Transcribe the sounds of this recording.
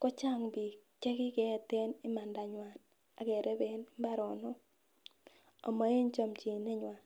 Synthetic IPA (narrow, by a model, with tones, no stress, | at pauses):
kɔ˦t͡ʃa˦˨ŋbi˨kɛ˦kɪ˦kɛ˨˦˨te˦nɪ˦ma˨nda˨ɲwa˨n | a˨ɡɛ˨ɾɛ˦be˨˦nmba˦ɾɔ˨nɔ˦ | ɔ̰˨ma˨˦e˦ɲt͡ʃɔ˦˨mt͡ʃi˨nɛ˦ɲwa˨